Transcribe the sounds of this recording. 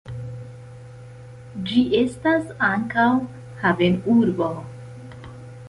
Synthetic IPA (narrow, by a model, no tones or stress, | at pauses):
d͡ʒiʔe̞stasaŋkaw | havenuɾbo